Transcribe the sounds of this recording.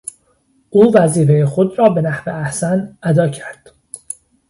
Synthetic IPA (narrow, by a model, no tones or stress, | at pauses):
ʔuːvæziːfe̞jexo̞d̪ɾɒːbe̞næhveæhsænʔæd̪ɒːcʰæɾd̪̥